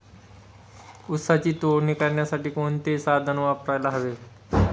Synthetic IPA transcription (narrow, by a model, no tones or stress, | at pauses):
ʊt̪sat͡ɕiːt̪oɽnikaɾɳjasaʈiːkont̪esad̪ʱənʋapɾajlaɦəʋe